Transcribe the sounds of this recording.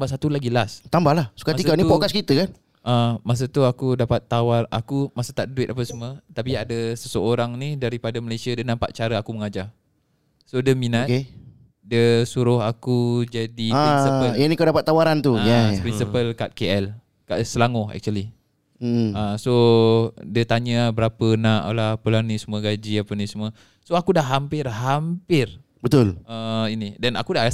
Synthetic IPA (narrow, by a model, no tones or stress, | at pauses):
ambaʔsat̪ulaɡilast̪ambahlahsu̥kaikanĩpɔkaskit̪əkan | amas̬ət̪uakudapat̪ːawara̰kumasət̪aʔdəduɪt̪ap̬əsəmət̪apiadəsəsəoɾaŋnidaɾipadaməlasiadənampa̰ʔ̪̚t͡ʃaɾəakuməŋad͡ʒa | sodəminat̪ke | dəsuɾʊɦakud͡ʒadiaɾinsipəlanikadapat̪ːawaɾant̪ujapɾinsipəlkat̪̚keɛl | kasəlaŋoɛ̰k̚t͡ʃuəli | aso | dət̪aɲabəɾapənãʔlahpəlanisəmũəɡad͡ʒiapənisəmuə | soakudaʔɦampɪrɦampɪr | bət̪ʊlainidɛna̰kuda